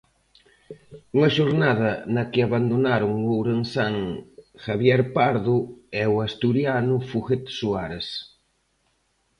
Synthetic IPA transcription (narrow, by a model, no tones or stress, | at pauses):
uŋɐʃoɾnað̞ɐnɐkɪaβand̪onaɾʊŋowɾensaŋxaβjɛɾpaɾðʊɛwast̪uɾjanʊfuɣet̪suaɾes